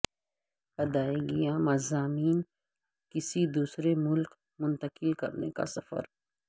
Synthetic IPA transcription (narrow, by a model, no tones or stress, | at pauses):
ɐd̪aːeɡijãmɐzaːmiːn | kɪsid̪uːsɾemʊlk | mʊ̃nt̪əkɪlkɐ̰ɾneka̰sɐfə̰ɾ